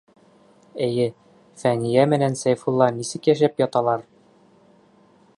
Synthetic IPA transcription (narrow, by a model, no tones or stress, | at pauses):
ɘjɘ | fænijæmɘ̆nænsæjfulˠːɑnisɘ̆kjæʃæpjɒt̪ɑlˠɑɾ